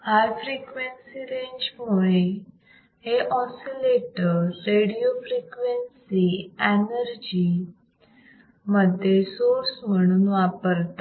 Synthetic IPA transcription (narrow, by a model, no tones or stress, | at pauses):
haɾfɾikʋensiɾẽɲd͡ʑmuɭe | ɦeʔɔ̃sileʈəɾːeɽijofɾikʋensienəɾd͡ʑi | məd̪ʱːjesoɾsm̤əɽ̃uːnʋapəɾt̪a